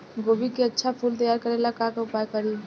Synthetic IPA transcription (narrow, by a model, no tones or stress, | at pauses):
ɡobikeətːʃʰapʰult̪əjaɾkəɾelakãkaʊpajkəɾi